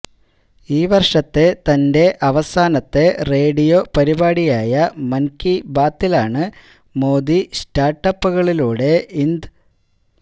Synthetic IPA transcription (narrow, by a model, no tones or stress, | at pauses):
iːʋɐrʂɐt̪ːe̞t̪ɐnde̞ʔɐʋɐsaːnɐt̪ːe̞re̞ːɽijo̞ːpɐɾibaːɽijaːjɐmɐnkibaːt̪ːilaːɳɨ | mo̞ːd̪istaːrʈːɐpːɨɣɐɭiluːɽe̞ind̪ɨ